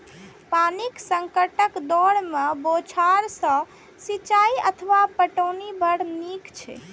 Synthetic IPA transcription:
paniksəŋkəʈəkd̪ɔɽmebot͡ʃʰaɾsə̃ | sit͡ʃaiət̪ʰʋapəʈənibəɽnikt͡ʃʰɛ̰

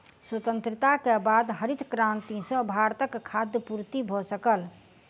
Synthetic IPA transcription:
swət̪ə̃nt̪ɾət̪akebad̪ɦəɾit̪ʰkɾãnt̪isə̃bʱaɾt̪əkʰːad̪jəpuɾt̪ibʱɔsəkəl

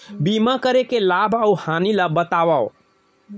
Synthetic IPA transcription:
bimakəɾekelabʱəuhanilabət̪aʋao

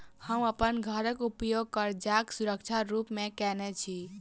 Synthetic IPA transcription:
həməpənɡʱəɾəkupjoɡ̚kəɾd͡ʒaksuɾək̚t͡ʃʰaɾupmekɛnɛt͡ʃʰi

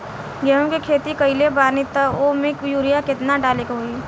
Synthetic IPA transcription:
ɡɛːõkikʰeːt̪ikəɪlebaːɾnit̪əoːmẽkjuːɾɪjakɪt̪naɖaːlekɦoi

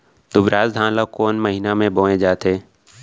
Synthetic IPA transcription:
d̪ʊbɾaːzd̪ʱãːlakoːnməɦinamẽboːẽd͡ʒaːt̪eː

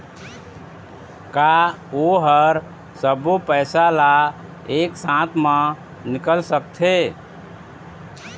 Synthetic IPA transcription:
ka | oɦəɾ | səbupəjsala | eksãt̪ʰmə̃ | nikəlsəkt̪ʰe

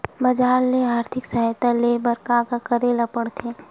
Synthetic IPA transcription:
mɐd͡ʒaːlːeaːɾt̪ʰɪksɐɦɛjt̪alebɐɾkakakɐɾeːlapəɽt̪ʰeː

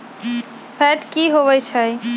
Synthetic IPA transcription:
pʰɛʈkiɦoβəjt͡ʃʰəj

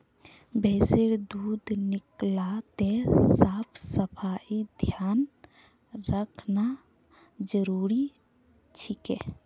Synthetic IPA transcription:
bʱɛːseɾd̪uːd̪nɪklat̪esaːpʰsəpʰaːid̪ʱjaːn | ɾəkʰna | d͡ʒəɾuːɾi | t͡ʃʰikɛ̰

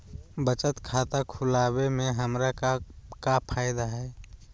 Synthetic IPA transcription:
bət͡ʃət̪kʰat̪akʰʊlaːbemẽɦəmɾakakapʰaːjɪd̪aɦɛː

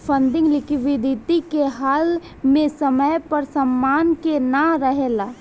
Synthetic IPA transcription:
pʰə̃nd̪ɪ̃ŋɡlɪkʰiʋɪd̪ʱɪt̪ikeɦaːl | mẽsəməjpɐɾsəmːaːnkenaɾəɦeːlaː

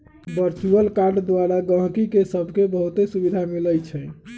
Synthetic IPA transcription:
bəɾt͡ʃuəlkaɾɖd̪waɾaɡə̃ɦkikesəbʱkebəɦut̪esubid̪ʱamiləjt͡ʃʰɛ

